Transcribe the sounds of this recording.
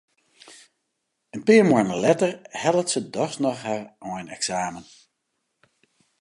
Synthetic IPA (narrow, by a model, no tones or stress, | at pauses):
ənpɪːɹmɔjnəlɛtərhɛlˠətsədɔxsnɔxhaɹʔɔjnɛksaːmən